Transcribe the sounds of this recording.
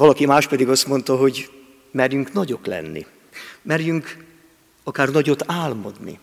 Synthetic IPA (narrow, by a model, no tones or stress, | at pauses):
vɒlɒkimaːʃt̪pɛd̪iɡɒst̪mo̞n̪t̪ɒɦo̞ɟ | mɛrjyŋknɒɟo̞klɛ̰nːḭ | mɛrjyŋk | ɒkaːrnɒɟo̞t̪aːlmɒd̪nḭ